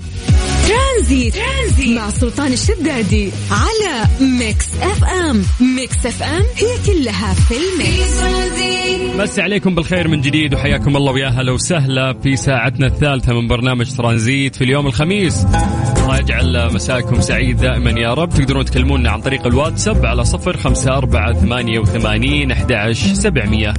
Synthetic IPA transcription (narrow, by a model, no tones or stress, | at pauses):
t̪ɾˤɑnziːt̪ːzimaʕsʊlt̪ˤɑːnɪʃːad̪ːaːd̪i | ʕalamɪksʔɛfʔɛmmɪksʔɛfʔɛmhɪjːakʊlːaɦafilmɪksɾziːmasːaʕaleːkʊmbɪlxeːɾmɪnd͡ʒɪd̪iːd̪wħajːaːkʊmʔɑlˤːɑːwjaːɦalawsaɦlafisaːʕat̪naθːaːlθamɪnbɑɾˤnaːmad͡ʒt̪ɾˤɑːnziːt̪filjoːmɪlxamiːsʔɑlˤːɑːjɪd͡ʒʕalmasaːʔkʊmsaʕiːd̪̚ːaːʔɪmanjaːɾˤɑb̚t̪ɪɡd̪ɑɾuːnɪt̪kalːmuːnːaʕa̰nt̪ˤɑɾiːqalwaːd̪sabʕalasˤɨfɾxamsaʔɑɾˤbaʕaθamaːnjawɪθamaːniːnʔaħd̪aʕaʃɾsabʕmɪjːa